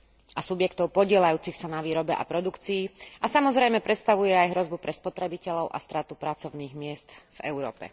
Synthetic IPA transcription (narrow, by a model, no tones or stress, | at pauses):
ʔasubjɛkt̪ɔʊpɔɟɪɛlajuːt͡sixsanaʋiːɾɔbɛʔa̰pɾɔd̪ukt͡siːʔasamɔzɾɛjmɛpɾɛt̪st̪aʋujɛajɦɾɔzbupɾɛspɔt̪ɾɛbicɛʎɔʊʔa̰st̪ɾaːt̪upɾat͡sɔʊniːɣmɪɛst̪v̥ɛ̰ʊɾɔ̰ːpɛ̰